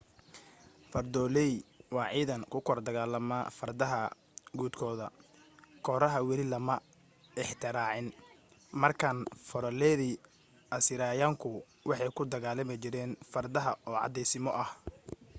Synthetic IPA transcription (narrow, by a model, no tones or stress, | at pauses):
fɐrd̪ɔːlɛjwɑːʕiːðɐŋkʰʊkʰɔrd̪ɐɣaːlɐmaːfɐrd̪ɐɦɐ | ɡuːd̪kʰɔːðɐ | kʰɔːɾɐɦɐwɛlɪlɐmɐ | ɪħt̪ʰɪɾaːʕɪn | mɐrkʰaːnfɔɾɐlɛðiː | ʔɐsɪɾaːjaːŋkʰʊ | wɑħɑjkʰʊd̪ɐɣaːlɐmɪt͡ʃɪɾɛːnfɐrd̪ɐɦɐɔːʕɑ̰d̪ɛjsɪmɔʔɐh